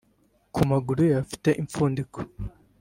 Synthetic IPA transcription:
kʰumaɡuɾujafi̥te̞ʔiɱfuːndiko̥

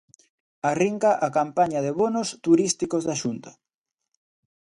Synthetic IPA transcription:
ariŋkaʔakampaɲɐðeβonost̪uɾist̪ikozðaʃunt̪ɐ

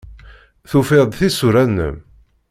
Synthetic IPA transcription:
θufɪðˤθisuɾænːə̰m

